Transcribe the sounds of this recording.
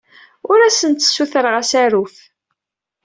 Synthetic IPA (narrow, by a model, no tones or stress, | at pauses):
ʊɾæsənt̪ːə̥sːuθəɾəʁæsæɾuf